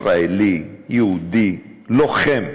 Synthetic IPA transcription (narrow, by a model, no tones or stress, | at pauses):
ɾaelijeud̪i | loχɛm